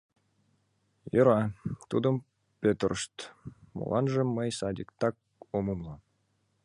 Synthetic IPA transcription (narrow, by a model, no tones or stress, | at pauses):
jɤɾɑt̪ud̪ə̆m | pʲet̪əɾəʃt̪mo̰lʔɑ̰nʒə̆mːəjsɑd̪ʲikt̪ɑk̚ | omumlˠɑ